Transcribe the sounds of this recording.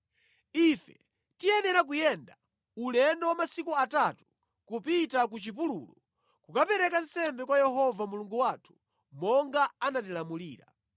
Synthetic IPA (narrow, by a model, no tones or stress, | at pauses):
ifɛ | tiɛnɛɾak̬ujɛnda | ulɛndɔwamasikuatatu̥ | kupitak̬ut͡ʃip̬ululɔ | kukapɛɾɛkan̩sɛmbɛkwajɛɦɔvamuluŋɡuwatʰu̥ | mɔŋɡaanatilamuliːɾa̰